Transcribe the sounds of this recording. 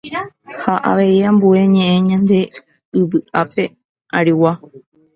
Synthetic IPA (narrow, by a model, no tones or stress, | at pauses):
haʔa̰ʋe̞iãmbue̞ɲẽ̞ʔẽɲãnd̪e̞ | ɨβɨʔape̞ | aɾiwa